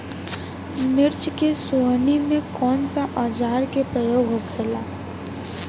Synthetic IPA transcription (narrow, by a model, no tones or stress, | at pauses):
mɪɾt͡ʃkesoɦnimẽkɔːnsaʔaːd͡ʒaːɾkepɾəjoːɡʱɦokʰeːlaː